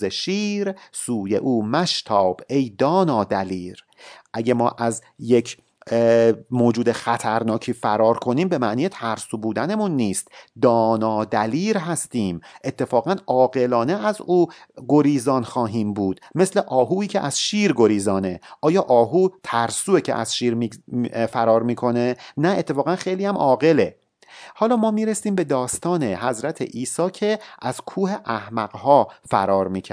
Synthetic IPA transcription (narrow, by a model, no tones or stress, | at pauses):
eʃiːɾsuːje̞̰ʔuːmæʃt̪ʰɒːb̥ejd̪ɒːnɒːd̪æliːɾ | ʔæɟemɒːʔæz | jecʰ | moːd͡ʒuːd̪e̞xæt̪ʰæɾnɒːcʰiːfæɾɒːɾkʰo̞niːmbe̞mæʔniːjet̪ʰæɾsubuːd̪æne̞munːiːst̪d̪ɒːnɒːd̪æliːɾɦæst̪iːmʔe̞t̪ʰːe̞fɒːɣænʔɒːɣe̞lɒːne̞æzuːɡo̞ɾiːzɒːnxɒːɦiːmbuːd̪̥me̞sle̞ʔɒːɦuːiːcʰḛʔæz̥ʃiːɾɡo̞ɾiːzɒːne̞ʔɒːjɒːʔɒːɦuːt̪ʰæɾsuːecʰḛʔæ̰z̥ʃiːɾmifæɾɒːɾmiːkʰo̞nenæet̪ʰːe̞fɒːɣænxejliːæmʔɒːɣe̞le | hɒːlɒːmɒːmiːɾesiːmbe̞d̪ɒːst̪ɒːnehæzɾæt̪ʰḛʔiːsɒːcʰe̞ʔæz̥kʰuːheʔæhmæɡhɒːfæ̰ɾɒːɾmiːcʰæ